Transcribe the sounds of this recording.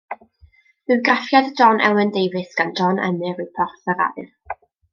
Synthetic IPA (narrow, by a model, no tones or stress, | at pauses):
vɪɡrafjadd͡ʒɔnʔɛ̰wəndejvɨsɡ̥and͡ʒɔnʔɛ̰mɨrɪpʰɔrθəɾa̰ɨr